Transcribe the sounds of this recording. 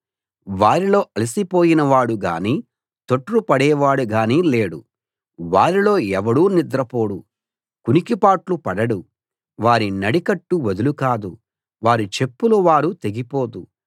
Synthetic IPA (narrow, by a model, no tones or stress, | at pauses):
ʋaːɾilo̞ːʔɐlisipo̞ːjinɐʋaːɽuɡa̰ːniː | t̪o̞ʈːɾupɐɽɛːʋaːɽuɡaːniːleːɽu | ʋaːɾilo̞ːɛʋɐɽuːnid̪ɾɐpo̞ːɽu | kunikipaːʈlupɐɽɐɽu | ʋaːɾinɐɽikɐʈːuʋɐd̪ulukaːd̪ṵ | ʋaːɾit͡ʃe̞pːuluʋaːɾut̪e̞ɡipo̞ːd̪u